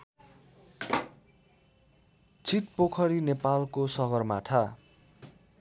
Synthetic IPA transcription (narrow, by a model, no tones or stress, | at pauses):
t͡sʰit̪̚pokʰʌɾinepalkosʌɡʌrmaʈʰa